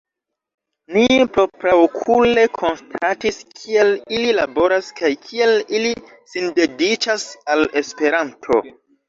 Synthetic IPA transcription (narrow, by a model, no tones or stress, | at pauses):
nipɾo̞pɾawkʰule̞kʰo̞nstʰatiskʰie̞lililabo̞ɾaskajkʰie̞lili | sinde̞dit͡ʃasale̞spe̞ɾantʰo̞̰